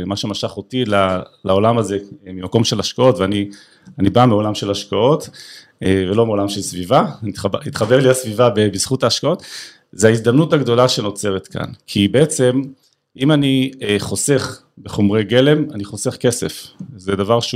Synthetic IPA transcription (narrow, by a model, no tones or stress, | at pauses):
maʃemaʃaχo̞tilalao̞lamaze̞mimako̞mʃe̞laʃkao̞tveani | anibameo̞lamʃe̞laʃkao̞t̪ | evelo̞meo̞lamʃe̞lsvivaitχait̪χabeʁlihasvivabebiz̥χutaːʃkao̞t | zeaizd̪amnutaɡd̪o̞laʃe̞no̞t͡se̞ʁet̪ka̰nkʰibeet͡se̞m | ʔimanieχo̞se̞χ | beχomʁejɡe̞le̞maniχose̞χke̞se̞fzedavaʁʃ